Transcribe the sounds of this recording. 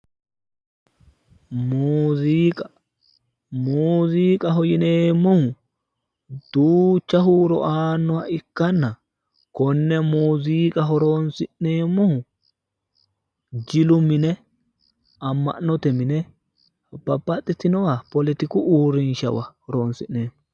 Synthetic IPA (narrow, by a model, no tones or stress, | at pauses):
muziːkʼɐ | muːziːkʼɐɦɔjɪneːmːɔhʊ | d̪̥uːt͡ʃːɐɦuːɾɔ̰ʔaːnːɔwaɪkːɐnːɐ | kɔnːɛmuːziːkʼɐɦɔɾoːnsɪʔneːmːɔhʊ | d͡ʒɪlʊmːɪnɛ | ɐmːɐ̰ʔnːɔt̪ɛmɪnɛ | b̥ɐbːɐt̪ʼːɪt̪ɪnɔwɐpɔlɪt̪ɪkʊʔuːɾɪnʃɐ̰wɐhɔɾo̞ːnsɪʔnnːeːmːɔ